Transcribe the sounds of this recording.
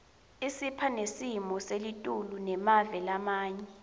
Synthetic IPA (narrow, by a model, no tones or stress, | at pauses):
isipʰanesimɔselitʼulunɛmavɛlamaːɲɛ